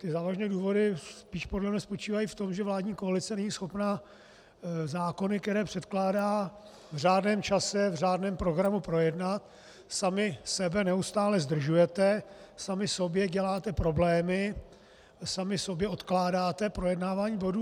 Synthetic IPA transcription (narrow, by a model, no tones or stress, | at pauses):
t̪ɪzaːvaʒnɛːduːvo̞dɪsspiːʃpo̞dlɛmɲɛspo̞t͡ʃiːvajift̪o̞mʒɛvlaːdɲiːko̞alɪt͡sɛnɛɲiːsxo̞pna | zaːko̞nɪkt̪ɛɾɛːpr̝̥ɛt̪klaːdaː | vr̝aːdnɛːmt͡ʃasɛvraːdnɛːmpɾo̞ɡɾamupɾo̞jɛdnat̪ | samɪsɛbɛnɛust̪aːlɛzd̪r̩ʒujɛt̪ɛsamɪso̞bjɛɟɛlaːt̪ɛpɾo̞blɛːmɪ | samɪso̞bjɛo̞t̪klaːdaːt̪ɛpɾo̞jɛdnaːvaːɲiːbo̞duː